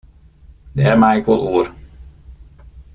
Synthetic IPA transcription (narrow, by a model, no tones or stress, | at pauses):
dɛrmaɪkʋolˠuər